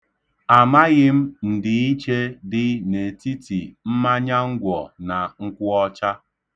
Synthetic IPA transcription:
a˨ma˦ɣɪ˦m̩˦n̩˨dɪ˨i˦t͡ʃe˦dɪ˦ne˨ti˦ti˨m̩˦ma˦ɲa˦ŋ̩˦ɡʷɔ˨na˨ŋ̩˦kʷʊ˦ɔ˦t͡ʃa˦

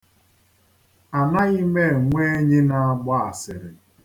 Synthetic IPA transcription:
a˨na˦i˦me˦˨ŋʷe˦ɲɪ˦na˨a˦ɡ͡bɔ˦a˨sɪ˨ɾɪ˨

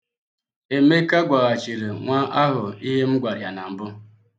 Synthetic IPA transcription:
e˨me˦ka˦ɡʷa˨ɣa˨t͡ʃi˨ɾe˨ŋʷa˦ʔa˦ɦʊ˨i˦ɦe˦m̩˦ɡʷa˨ɾɪ˨a˨na˨m̩˨bʊ˦

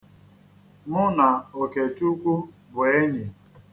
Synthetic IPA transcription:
ŋʊ˦na˨o˨ke˨t͡ʃu˦kʷu˦ | bʊ˨e˦ɲi˨

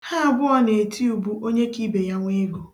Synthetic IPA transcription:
ha˦a˨bʊ˦ɔ˦ne˨tʰi˦u˨bu˦ʔo˦ɲe˦ki˦be˨ja˦ŋʷe˦ɡo˨

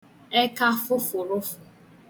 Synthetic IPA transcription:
e˦ka˦fʊ˦fʊ˨ɾʊ˦fʊ˨

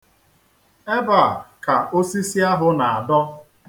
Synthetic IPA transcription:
e˦ba˨ka˨o˦si˦si˦a˦ɦʊ˦na˨a˨dɔ˦

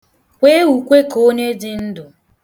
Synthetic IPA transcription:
kʷe˦wu˨kʷe˦ko˦ɲe˦dɪ˦n̩˦dʊ˨

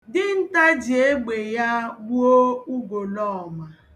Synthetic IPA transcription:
dɪ˦n̩˦ta˦d͡ʒe˦ɡ͡be˨ja˦bo˦u˦ɡo˨lɔ˦ɔ˨ma˨

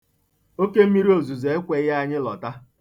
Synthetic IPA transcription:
o˦ke˦m̩˦mi˦ɾi˦o˨zu˨ze˨e˦kʷe˨˦ja˦ɲɪ˦lɔ˨ta˦

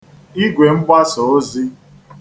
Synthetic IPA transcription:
i˦ɡʷe˨ŋ͡m̩˦kʷa˦sɔ˨o˦zi˦

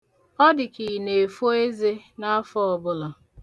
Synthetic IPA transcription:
ɔ˦dɪ˨ki˨ne˨fo˦e˦ze˦na˦a˦fɔ˦ɔ˨bʊ˦lɔ˨

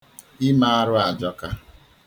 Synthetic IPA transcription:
ɪ˦ma˦a˦ɾʊ˦a˨d͡ʒɔ˦ka˦

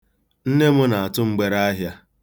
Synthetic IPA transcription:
n̩˦ne˦mʊ˦na˨a˨tʊ˦ŋ͡m̩˦ɡ͡be˨ɾa˦a˦ɦja˦

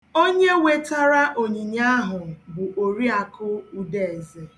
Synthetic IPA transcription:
o˦ɲe˦we˦ta˦ɾa˦ʔo˨ɲi˨ɲa˦ɦʊ˨bʊ˨ʔo˨ɾi˦a˨kʊ˦u˦de˨e˨ze˨

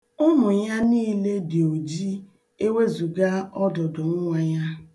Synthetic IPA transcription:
ʊ˦mʊ˨ja˦niː˦le˦dɪ˨o˨d͡ʒi˦ | e˦we˦zu˨ɡa˦ɔ˦dʊ˨dʊ˨ŋ̩˦ŋʷa˦ɲa˦

